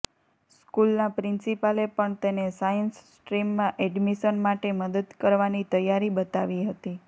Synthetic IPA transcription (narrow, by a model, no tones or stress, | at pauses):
skulnapɾɪnsipalepəɳt̪enesajənssʈɾimːãʔɛɖmiʃənmaʈeməd̪əd̪kəɾʋanit̪əjaɾibət̪aʋiɦət̪i